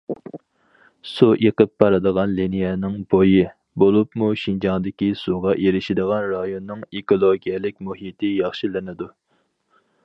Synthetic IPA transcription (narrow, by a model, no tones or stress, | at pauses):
suʔeqəpːɑɾɨd̪əʁɑnlinijɛnɪŋboji | bolˠupmuʃind͡ʒɑŋd̪ɪkʲisuʁɑʔeɾɪʃɪd̪əʁɑnɾɑjonːɨŋekolˠoɡʲijɛlɪk̚ʲmuɦit̪ʰɪjɑχʃilɪnɪd̪u